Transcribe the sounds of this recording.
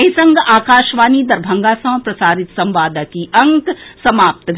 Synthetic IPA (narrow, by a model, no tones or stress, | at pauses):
ɦisɐ̃ŋɡaːkaːʃʋaːnid̪ɐɾbʱɐŋɡaːsɐ̃ːpɾɐsaːɾɪt̪sɐ̃mʋaːd̪akiʔɐŋksɐmaːp̚t̪ɡʱ